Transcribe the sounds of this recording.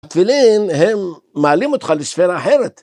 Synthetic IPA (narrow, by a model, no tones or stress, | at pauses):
at̪filinɦemː | aalimot̪χaleʃfeɾaːħeɾet̪